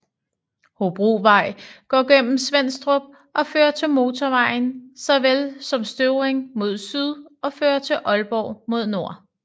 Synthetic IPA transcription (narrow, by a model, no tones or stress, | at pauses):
hob̥ʁuːʋɑ̈ɪ̰ɡ̥ɒ̰ːɡ̥en̰m̩sʋen̰sd̥ʁob̥̚ | ʔɒ̽fø̰ːɐt͡sʰe̝lmo̝ːt͡sʰɒʋɑ̈ɪ̰nsɑ̈ɪʋelsɒ̽msd̥øʊʁeŋmo̝ð̞ˠsyð̞ˠɒ̽fø̰ːɐt͡sʰe̝ʔɒ̽lb̥ɒ̰ʊmo̝ð̞̰ˠno̝ɐ̰